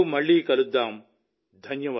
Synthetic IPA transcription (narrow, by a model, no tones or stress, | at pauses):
mɐɭːiːkɐlud̪ːaːm | d̪ʱɐnjɐʋa